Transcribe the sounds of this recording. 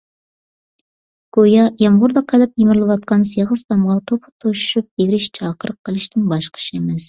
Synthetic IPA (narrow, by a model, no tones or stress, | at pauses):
ɡ̥ojɑjɑmʁʊɾd̪ɑqʰelɪp̚jemɪɾɨlˠɨwɑt̪̚qʰɑnsjɑʁəst̪ɑmʁɑt̪ʰopʰə̥t̪ʰoʃy̥ʃyp̚jeɾɪʃt͡ʃʰɑːqəɾəqʰːəlˠɪʃt̪ɪŋbɑʃqʰə̥ʃemɛs